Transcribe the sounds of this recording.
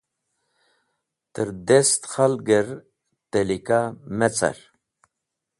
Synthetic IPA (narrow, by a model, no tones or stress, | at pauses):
t̪əɾd̪est̪χalɡəɾ | t̪elikamet͡sa̰ɾ